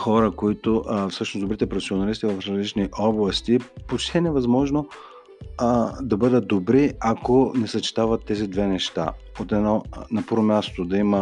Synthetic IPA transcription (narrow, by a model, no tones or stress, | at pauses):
xɔɾəkoit̪oʔfsɤʃnosd̪obɾit̪ɛpɾofɛsionɐlist̪ivɐfɾɐzlit͡ʃniʔɔblˠɐst̪ipot͡ʃt̪ʰinɛvɐzmɔʒno | d̪ɐbɤd̪ət̪̚d̪obɾiakonɛsɐt͡ʃi̥t̪avət̪ːɛzid̪vɛnɛʃt̪a̰ | ot̪ɛnɔnɐpɤɾomʲjast̪od̪ɐimə